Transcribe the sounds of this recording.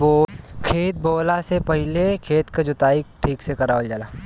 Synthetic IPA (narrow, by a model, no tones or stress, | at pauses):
boːkʰeːt̪̚boːlasepəɦɪlekʰeːt̪kad͡ʒʊt̪aːik̚ʈʰiːksekɐɾaːwəld͡ʒaːlaː